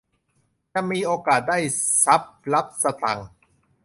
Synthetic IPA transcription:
t͡ɕa˧˨miː˧ʔoː˧kaː˨˩t̪̚daː˥˩jsa˦˥p̚la˦˥p̚sa˧t̪a̰˨˩ŋ

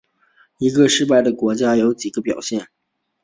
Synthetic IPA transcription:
i˧˥ɡə˧ʂɻ̩˥˧p̬a˥˩ɪd̪ə˩kwɔ˧˥t͡ɕja˥jo˧˥ʊt͡ɕi˨˩ɡ̥ə˧˦pjɑ̰˨˩ʊɕjɛ˥˩n

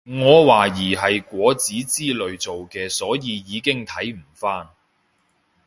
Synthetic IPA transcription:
ŋɔː˨˧waː˨˩jiː˨˩ɦɐ˨jkʷɔː˨˥t͡siː˨˥t͡siː˥lɵ˨˧ɥt͡so˨wkɛː˧sɔː˨˥jiː˨˧jiː˨˧kɪ˥ŋt̪ʰɐ˨˥jm̩˨˩faː˥n

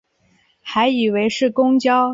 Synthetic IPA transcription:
xa˧˥ɪi˨˩we˧˥ɪʂɻ̩˥˩kʊ˥ŋt͡ɕjɑ˥ʊ

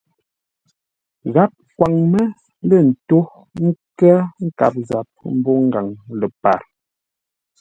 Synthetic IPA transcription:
ɣa˦p̚kwa˨ŋmə˦ | lə˦˨n̩˨to˦ | ŋ̩˦kɛ˦ŋ̩˦ka̰˨p̚za˨p̚m̩˦bɔ˦ŋ̩˦ɡa˨ŋlə˨pa̰˨ɾ

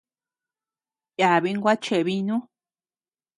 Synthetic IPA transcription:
ja˨βi˧ŋɡʷa˦t͡ʃe˨βi˧nũ˦

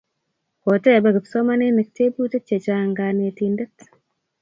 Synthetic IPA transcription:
ko˨te˦˨be˨kɪ˨pso˦ma˦ne˦nɛ˨k̚te˦bu˦te˦t͡ʃe˨t͡ʃa˦ŋɡane˨tinde˦t

